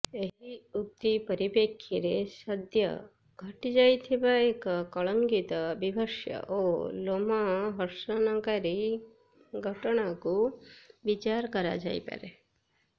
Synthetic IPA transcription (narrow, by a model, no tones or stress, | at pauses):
eɦiuk̚t̪ipəɾipekʰːiɾesəd̪ʱjə̰ | ɡʱəʈid͡ʒajt̪ʰibaekkɔɭəŋɡit̪əbibʱəʃjə̰ʔolomaɦəɾʃənakaɾi | ɡʱəʈɔɽ̃akuʋit͡ʃaɾkʌɾa̰d͡ʒa̰jpa̰ɾe